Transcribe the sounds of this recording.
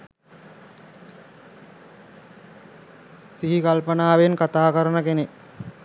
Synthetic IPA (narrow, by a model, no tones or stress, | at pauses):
siɦikalpənaːʋenkat̪aːkəɾənəkene